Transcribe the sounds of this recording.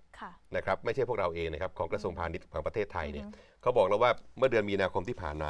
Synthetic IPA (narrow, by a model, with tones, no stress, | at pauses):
kʰna˦˥kʰɾa˦˥p̚ma˥˩jt͡ɕʰjʰpu˥˩k̚ɾa˧wʔeː˧ŋna˥˩kʰa˦˥p̚kʰɔː˩˦ŋkɾa˧su˧əŋpʰaː˧ni˦˥t̪̚kʰɔː˩˦ŋpɾa˧t̪ʰeː˥˩t̪ʰːa˧jni˦˥˩ɐkʰa˦˥wbɔː˨˩k̚lɛ˦˥waː˥˩mɯ˥˩ɐdɯ˧ənmiː˧naː˧kʰo˧mt̪ʰiː˥˩pʰaː˨˩nma̰ː˧